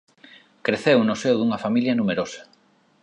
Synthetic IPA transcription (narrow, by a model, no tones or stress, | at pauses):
kɾeθewnʊsewðuŋɐfamiljɐnumeɾosḁ